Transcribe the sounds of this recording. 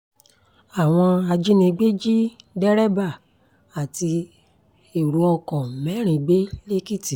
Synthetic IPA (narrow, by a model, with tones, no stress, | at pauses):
a˨w̃ɔ̃˧a˧d͡ʒi˦nĩ˧ɡ͡be˦d͡ʒi˦dɛ˦ɾɛ˦ba˦˨ | a˨ti˧ | e˨ɾu˧˦ɔ̃˧kɔ̃˨mɛ˨˦ɾ̃ĩ˧ɡ͡be˦le˦ki˦ti˨